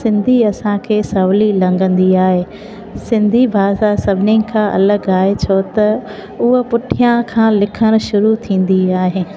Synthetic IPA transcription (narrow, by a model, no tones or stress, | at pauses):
sɪ̃nd̪ʱiɐsãkʰeːsɐʋlilɐ̃ŋɡə̃nd̪iaːɦeː | sɪ̃nd̪ʱibʱaːzasɐbʱɪnɪ̆kʰãːʔɐ̰ləɡaːɦet͡ɕʰot̪ɐ | ʊɦpʊʈʰijãkʰãːlɪkʰəɽ̃ʃʊɾut̪ʰĩːn̆d̪iaːɦeː